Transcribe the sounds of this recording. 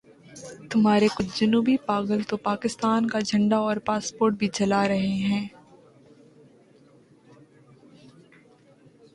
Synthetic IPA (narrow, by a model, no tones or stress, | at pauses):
t̪ʊmɦaːɾekʊt͡ʃd͡ʒɐnuːbipaːɡəlt̪opaːkɪst̪aːnkad͡ʒʱɐ̃ɳɖaɔːɾpaːspoːɾʈ̚bʱit͡ʃɐlaɾɐɦeɦɛ̃ː